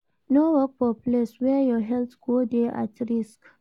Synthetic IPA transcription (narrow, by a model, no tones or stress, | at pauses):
nowɔk̚fɔpleswɛjɔɦɛlt̪ɡ̥odeʔa̰tɹisk